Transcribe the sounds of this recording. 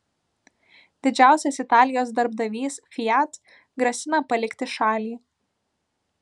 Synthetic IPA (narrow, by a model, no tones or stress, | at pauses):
d̪ʲɪd͡ʒʲæˑʊsʲɛsɪt̪ɑːlʲɪjoːsd̪ɐɾb̚d̪ɐʋʲiːsfʲɪjæt̪ | ɡɾɐsʲɪnɐpɐlʲɪkʲt̪ʲɪʃɑːlʲiː